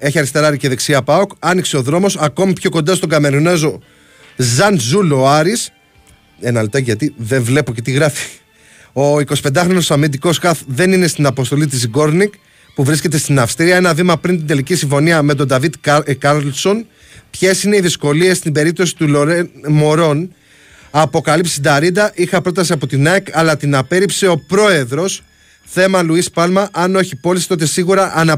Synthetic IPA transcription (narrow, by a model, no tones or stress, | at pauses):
e̞çiɐɾist̪e̞ɾɐɾiceðeksiɐpɐokɐnikseo̞ðɾo̞mo̞sɐko̞mipço̞ko̞nd̪ɐst̪o̞ɡɐme̞ɾine̞zo̞ | zɐnzuloɐɾis | enɐlt̪ɐʝɐt̪iðe̞ɱvle̞po̞ce̞t̪iɣɾɐfi̥ | o̞iko̞si̥pe̞nd̪ɐxɾo̞no̞sɐmid̪iko̞skɐθðe̞nine̞st̪inɐpo̞st̪o̞lit̪̬iziɡo̞ɾnik | puvɾisce̞t̪̬e̞st̪inɐfst̪iɾiɐe̞nɐðimɐpɾint̪ind̪e̞licisiɱfo̞niɐme̞t̪̬o̞d̪ɐvid̪kɐɾlso̞n | pçe̞sine̞iðisko̞lie̞st̪ibe̞ɾip̚t̪o̞si̥t̪uloɾmo̞ɾo̞n | ɐpo̞kɐlipsi̥sid̪ɐɾid̪ɐʔixɐpɾo̞t̪ɐsiɐpo̞t̪inɐekɐlɐt̪inɐpe̞ɾipse̞o̞pɾo̞e̞ðɾo̞s | θe̞mɐluispɐlmɐʔɐnoeçipo̞lisi̥t̪o̞t̪e̞siɣuɾɐʔɐnɐ